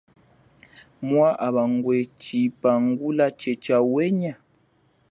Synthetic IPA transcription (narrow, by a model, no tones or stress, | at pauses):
mwaʔaβaŋɡwet͡ʃipaŋɡulat͡ʃet͡ʃawɛɲa